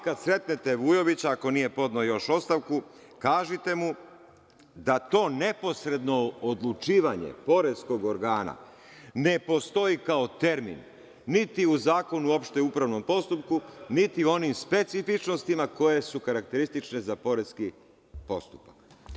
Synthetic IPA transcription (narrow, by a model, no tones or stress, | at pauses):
kad̪sɾe̞t̪net̪eʋujo̞ʋit͡ɕaːko̞nije̞po̞d̪nojo̞ʃo̞st̪aʋku | kaːʒit̪e̞mu | d̪at̪o̞ːne̞po̞sɾe̞d̪no̞ːd̪lˠut͡ʃiːʋaɲḛpo̞ɾe̞zsko̞ɡo̞ɾɡaːna̰ | ne̞po̞st̪o̞ikaot̪e̞ɾmḭnː | it̪iuzaːko̞nuo̞pʃt̪eupɾaʋno̞mpo̞st̪up̚kunit̪io̞nimspe̞t̪sifit͡ʃno̞st̪imako̞je̞sukaɾak̚t̪e̞ɾist̪it͡ʃne̞zapo̞ɾe̞zki | po̞̰st̪u̥pḁk